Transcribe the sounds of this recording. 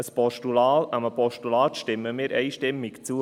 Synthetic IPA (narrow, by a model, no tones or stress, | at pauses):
əspɔʃtulɑːlɑməpʰɔʃtulɑːt̪ʃtɪmːəmiːɾɛɪʃtɪmːɪkt͡suː